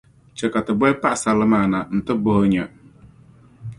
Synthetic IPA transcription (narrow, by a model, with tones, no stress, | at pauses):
t͡ʃɛ˨ka˨tɨ˨bʷɛ˦pa˦ʔsa˨lɨ˦maː˨na˨n̩˨tɨ˦bɔ˦ɲɛ˨